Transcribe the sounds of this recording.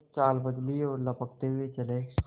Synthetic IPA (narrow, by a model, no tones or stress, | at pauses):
t͡ʃaːlbəd̪liɔːɾlɐpəkt̪eɦʊet͡ʃɐleː